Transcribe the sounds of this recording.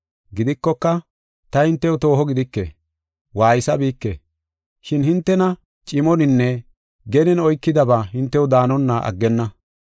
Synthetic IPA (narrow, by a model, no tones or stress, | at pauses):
ɡɪd̪ɪkːɔkːɐ | t̪ɐhɪnt̪ːɛwʊt̪o̞ːɦɔɡɪd̪ɪkːḛ | waːjɪsɐbiːkːḛ | ʃɪnhɪnt̪ːɛnɐ | t͡ʃʼɪmɔnɪnːɛ | ɡɛnɪnɔjkːɪd̪ɐbaːɦɪnt̪ːɛwd̪aːnɔnːaʔɐ̰ɡːɛnːɐ